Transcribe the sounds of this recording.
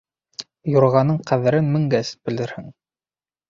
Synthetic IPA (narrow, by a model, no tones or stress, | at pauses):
jŏɾʁɑnɤɴqæðɘ̆ɾɘnmɘ̆ŋɡæsb̥ɘ̆ld̪ɘɾhɘŋ